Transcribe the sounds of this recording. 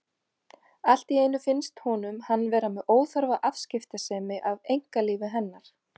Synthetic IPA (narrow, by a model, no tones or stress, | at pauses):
al̥t̪iejnʏfɪnst̪hɔnʏmhanːvɛːɾamɛðoːwθœɾvaʔafscɪft̪asɛːmɪʔavejŋ̥kaliːvɪɦɛnːaɾ̥